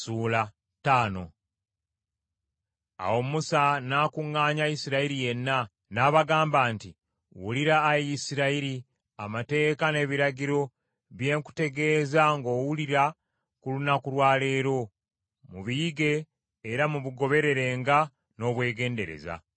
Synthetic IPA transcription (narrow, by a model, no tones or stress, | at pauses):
suːla | taːno̞̰ | a̰wo̞musanaːkuŋːaːɲaisiɾaiɾije̞nːa | naːβaɡaːmbaːnti | wuliɾaːjisiɾaiɾi | amate̞ːkane̞ːβiɾaɟiɾo̞ | βje̞ːŋku̥te̞ɡe̞ːzaŋɡo̞ːwuliɾa | kulunakuɾwaːle̞ːɾo̞ | muβijiɡe̞ː | ɾamuβuɡo̞βe̞ɾe̞ɾe̞ːŋɡa | no̞ːβwe̞ːɡe̞ːnde̞̰ɾe̞̰za̰